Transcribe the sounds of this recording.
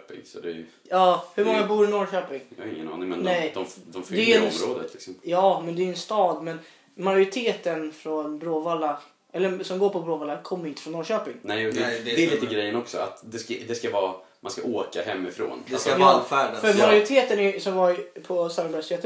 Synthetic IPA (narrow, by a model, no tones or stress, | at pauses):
pɪ̰ŋsɔd̪ɛ | jɑːhɵɾmɔŋːabuːɾɪnɔɾɕøːpɪŋjɑ̰ɪ̰ŋːə̰nɑ̰ːnɪŋmɛnnɛd̪ɔmd̪ɔmfd̪ɛɛɾoːd̪ə̰t̪ʰlɪksɔmjɑːmɛnd̪ɛɛnst̪ɑːd̪mɛn | majʊɾɪt̪ʰeːt̪ənfɾɔnbɾoːvalːa | ʔɛlːəɾsɔmɡoːɾpʰɔbɾoːvɑːlːakʰɔmːəɾʏɪnt̪əfɾɔnːɔːɾɕøːpɪŋnɛːjud̪ɛɛɛliːt̪əɡɾɛjːənɔksɔa̰t̪d̪ɛskad̪ɛskavɑː | manskaʔoːkahɛmːɪfɾo̰ːnd̪asfæːɖafœɾmmajʊɾɪt̪ʰeːt̪ənæsɔmvapʰɔsalənbæst̪ʰeːt̪ə